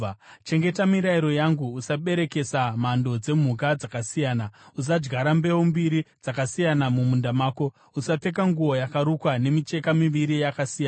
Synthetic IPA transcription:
t͡ʃe̞ŋɡe̞tamiɾaiɾo̞jaŋɡuːsaɓe̞ɾe̞ke̞samando̞d͡ze̞m̤uk̬ad͡zakasijaːnaus̬ad͡ʒɡaɾambe̞wombiɾid͡zakasijanamumundamaːko̞ | usap͡fe̞k̬aŋɡuo̞jakaɾukwane̞mit͡ʃe̞kamiʋiɾijakasija

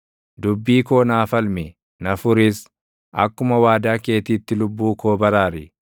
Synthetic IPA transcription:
d̪ʊbːiːko̞ːnaːfɐlmɛ | nɐfʊɾɪs | ʔɐ̰kːʊmɐwaːd̪aːke̞ːt̪iːt̪ːɪlʊbːuːko̞ːbɐɾaːɾɪ

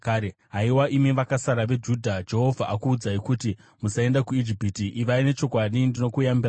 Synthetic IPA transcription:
kaɾeɦaiwaimiʋakasaɾaʋe̞d͡ʒudʱad͡ʒe̞ɦo̞vʱaʔakuːd͡zaikuti | musae̞ndakuid͡ʒipitiʔːʋaine̞t͡ʃo̞kwaɗindino̞kujambira

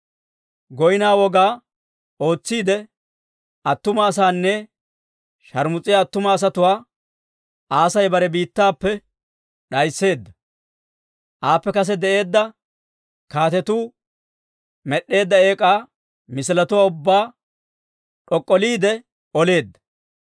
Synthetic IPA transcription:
ɡɔjɪnaːwɔɡaː | o̞ːt͡sːiːd̪ɛ | ɐt̪ːʊmɐːs̬aːnːɛ | ʃɐɾmʊt͡sʼːɪjaːt̪ːʊmɐːs̬ɐt̪ʊwaː | ʔaːsɐjbɐɾɛbiːt̪ːaːpːɛ | ɗɐjsːe̞ːd̪ːɐ | ʔaːpːɛkɐs̬ɛd̪ɛʔe̞ːd̪ːɐ | kaːt̪ɛt̪uː | mɛɗːe̞ːd̪ːɐe̞ːkʼaː | mɪsɪlɐt̪ʊwaːʊbːaː | ɗɔkʼːɔliːd̪ɛ | ɔle̞ːd̪ːɐ̥

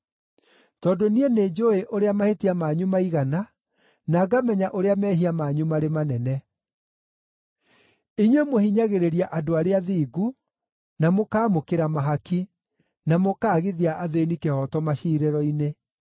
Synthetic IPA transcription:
tɔdoniɛneːd͡ʒoeʔoɾeamahetiamaːɲumaiɣana | naːɡamɛɲaʔoɾeamɛɦiamaːɲumaɾemanɛnɛ | iɲwemohiɲaɣeɾeɾjaʔadoaɾeaðiːɡu | namokaːmokeɾamaɦaki | namokaːɣeðiaʔaðenikehɔtɔmaɕiːɾɛɾɔine

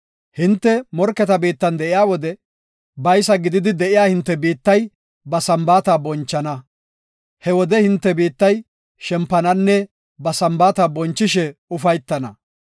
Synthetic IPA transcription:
hɪnt̪ːɛmɔɾkːɛt̪ɐbiːt̪ːɐnd̪ɛʔɪjaːwɔd̪ɛ | bɐjsɐɡɪd̪ɪd̪ɪd̪ɛʔɪjaːhɪnt̪ːɛbiːt̪ːɐj | bɐsɐmbaːt̪aːbɔnt͡ʃːɐnɐ | hɛwɔd̪ɛhɪnt̪ːɛbiːt̪ːɐj | ʃɛmpːɐnɐnːɛ | bɐsɐmbaːt̪aːbɔnt͡ʃːɪʃɛʊfɐjt̪ːɐnɐ

